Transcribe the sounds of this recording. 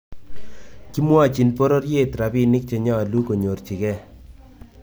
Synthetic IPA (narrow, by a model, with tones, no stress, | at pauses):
ki˦mwa˦˨t͡ʃi˨npo˦ɾo˦rje˦tɾa˨pi˦ni˦k̚t͡ʃe˨ɲɔ˦a˨lu˦ko˨ɲo˨rt͡ʃi˨kɛ˦